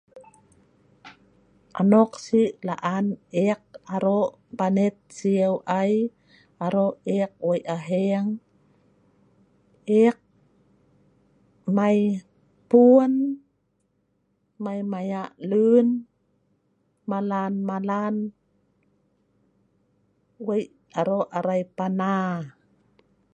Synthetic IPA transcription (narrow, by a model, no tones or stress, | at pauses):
ʔa̰nɔk̚siʔlaʔanʔek̚ʔaɾoʔ | banet̪̚siəwʔaj | ʔaɾoʔek̚wajʔaɦeŋ | ʔek̚ | maj | puən | majmajaʔlun | malanmalan | wej | aɾoʔaɾajpana